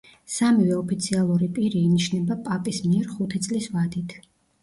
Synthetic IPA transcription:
samivɛɔpʰit̪sʰialˠuɾipʼiɾiːniʃnɛbapʼapʼismiɛɾχut̪ʰit̪sʼlisvad̪it̪ʰ

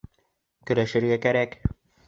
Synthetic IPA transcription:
kɵ̆ɾæʃɘ̆ɾɡækæɾæk

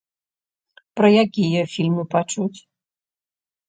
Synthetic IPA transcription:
pɾɐjakʲijɐfʲilʲmɨpat͡ʂut͡sʲ

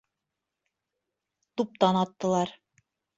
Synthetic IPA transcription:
t̪up̚t̪ɑnɑt̪ːɤ̆lˠɑɾ

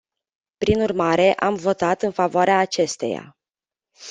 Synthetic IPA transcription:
pɾinurmaɾe̞ʔamvo̞t̪at̪ɨnfavoaɾeaːt͡ʃe̞st̪e̞̰ja̰

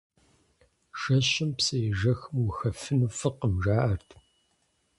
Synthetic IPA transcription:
ʃɐʃɪmpsejʒɐxmwʊxɐfɨnufɨqəmʒaːʔɐrt̪ʰ

